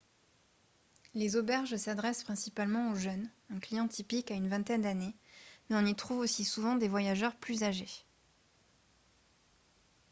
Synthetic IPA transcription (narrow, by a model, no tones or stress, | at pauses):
lezɔbɛʁʒsad̪ʁɛspχɛ̃sipalmɑ̃oʒœnɛ̃klijɑ̃t̪ʰipikaynvɛ̃t̪ɛnd̪anemɛɔ̃nit̪χuvosisuvɑ̃d̪evwajaʒœʁplyzaʒe